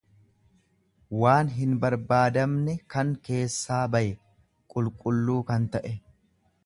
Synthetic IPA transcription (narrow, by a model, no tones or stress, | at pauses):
waːnɦɪnbɐɾbaːd̪ɐmnɛkɐŋke̞ːsːaːbɐʔɛ | kʼʊlkʼʊlːuːkɐnt̪ɐʔɛ